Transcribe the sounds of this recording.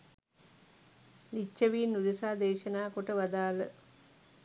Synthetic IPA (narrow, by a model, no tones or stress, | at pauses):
lit͡ʃːəʋiːnːud̪esaːd̪eːʃənaːkoʈəʋad̪aːlə